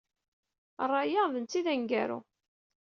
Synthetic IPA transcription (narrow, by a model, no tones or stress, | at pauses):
rˤːɑjaðənt͡s̪ːiðæŋɡæɾṵ